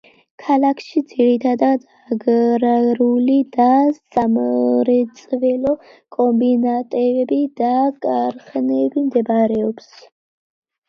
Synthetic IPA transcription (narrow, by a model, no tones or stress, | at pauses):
kʰalakʰʃid̪z̥iɾit̪ʰad̪ad̪aɡɾɾulid̪asamɾɛt̪sʼvɛlɔ | kʼɔmbinat̪ʼɛvɛbid̪akʼaɾχnɛbimd̪ɛbaɾɛɔps